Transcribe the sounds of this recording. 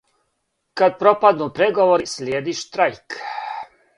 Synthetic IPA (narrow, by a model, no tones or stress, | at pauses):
kad̪̚pɾopad̪nupɾeɡoʋoɾislʲjeːd̪iʃt̪ɾajk